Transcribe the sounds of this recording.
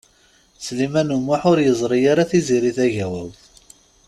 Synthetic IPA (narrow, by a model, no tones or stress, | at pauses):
slimænumːaħʊɾjəzˤɾˤijaɾaθiziɾiθæʝæwæw